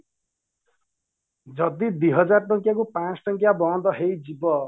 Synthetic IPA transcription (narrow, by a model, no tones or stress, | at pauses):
d͡zʌd̪id̪iɦʌd͡zarʈʌŋkjakopãt͡sʈʌŋkjabʌãnd̪ʌɦejd͡zibʌ